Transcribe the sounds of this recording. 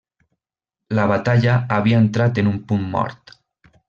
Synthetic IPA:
laβat̪aʎaːβiaent̪ɾat̪enumpumːɔ̰ɾt̪

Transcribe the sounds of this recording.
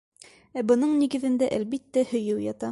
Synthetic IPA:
æbɤ̆nɤɴniɡɘ̆ðɘ̆nd̪æʔælbit̪ːæhɵ̆jɘwjɑt̪ɑ

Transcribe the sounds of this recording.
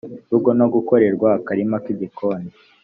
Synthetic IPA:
uɡo̞noɡuko̞ɾe̞ɾɡwaːkaɾimakidikʰoni

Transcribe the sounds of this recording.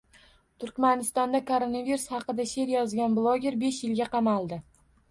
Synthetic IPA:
t̪ʰʊɾkʲmanɪst̪ɒnd̪akʰoɾonaviɾusχɑqɨd̪aʃe̞ɾjɒzɡʲanblˠoɡʲe̞ɾbe̞ʃjɪlɡʲaqʰɑmalˠd̪ɪ

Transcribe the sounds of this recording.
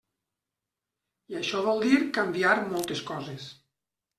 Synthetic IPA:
iaʃɔβ̞ɔlˠd̪iɾkambiaɾmɔlˠt̪eskɔzes

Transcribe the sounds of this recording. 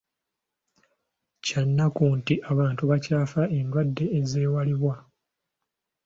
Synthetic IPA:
canːakuntiʔaβaːntuβacaːfaʔe̞ndwadːe̞ːze̞ːwaliβwa

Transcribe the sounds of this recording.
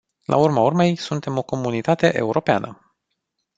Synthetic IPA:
lʔa̰urmaurme̞jsunt̪e̞mo̞ko̞munit̪at̪e̞ʔe̞̰uɾo̞pea̰nʔə

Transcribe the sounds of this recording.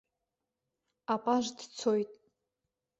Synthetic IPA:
apʼaʒdt͡sʰo̞jtʼ

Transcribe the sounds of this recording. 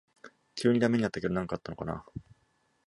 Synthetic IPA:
kʲɨːɲ̟id̪ame̞ɲ̟inat̪ːaked̪onãŋkat̪ːano̞ka̰na̰

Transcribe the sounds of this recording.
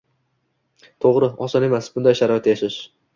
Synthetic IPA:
t̪ʰoʁɾɪɒsɒne̞masbʊnd̪ajʃaɾɒɪt̪ʰːajaʃɪʃ

